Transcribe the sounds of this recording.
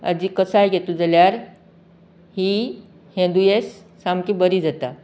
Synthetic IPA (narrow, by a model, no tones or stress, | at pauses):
a̰d͡ʑiːkəsajɡʱet̪ud͡zəljaɾ | hiː | hẽnd̪ujesː | amkibəɾiːd͡zat̪a